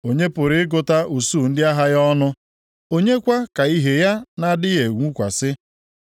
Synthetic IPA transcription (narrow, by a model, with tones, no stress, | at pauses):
o˨ɲe˦pʊ˨ɾɪ˨˦ɪ˦ɡʊ˨ta˦u˨suː˦˨n̩˦dɪ˦a˦ɦa˦jɔ˦nʊ˦ | o˦ɲe˦kʷa˦ka˨i˦ɦe˨ja˦na˦dɪ˦je˨ŋʷu˦kʷa̰˨sɪ˦